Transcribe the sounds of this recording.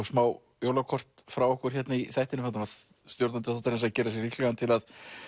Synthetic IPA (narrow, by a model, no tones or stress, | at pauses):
smaːw | joːwlawkʰɔr̥t̪fɾawɔhkʏɾ̥çɛt̪naiθajht̪ɪnʏmant̪navað | st̪jowɾt̪ant̪ɪθaɔt̪aɾɛns̬acɛːɾasjɛɣriklɛɣant̪ʰɪlað